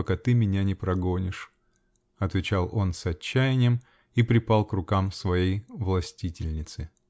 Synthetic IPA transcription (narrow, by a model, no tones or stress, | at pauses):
ɐkat̪ɨmʲɪnʲanʲɪpɾɐɡonʲɪʂ | ɐt̪vʲɪt͡ɕalˠo̞nsɐt͡ɕːæjɪnʲɪjəm | ipɾʲɪpalˠkrʊkamsvɐjejvlˠɐsʲtʲitʲɪlʲnʲɪt̪sɨ